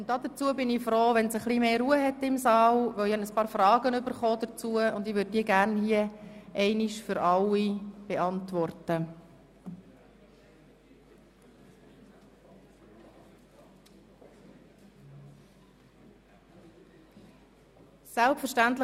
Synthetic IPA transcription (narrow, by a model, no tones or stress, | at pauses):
ʊnt̚ːɑːd̪ət͡suəbɪnifɾoːʋɛnsəχlimeːɾuːəɦɛtɪmsɑːlʋœihɑnəspɑːɾfrɑːɡənʏbəɾχɔːdət͡suəʊndɪʋøɾd̚diəɡæɾnhiəʔɛɪniʃfʏɾɑlːib̥ɛʔɑntʋɔrtə | sælpfəɾʃtæntlɪ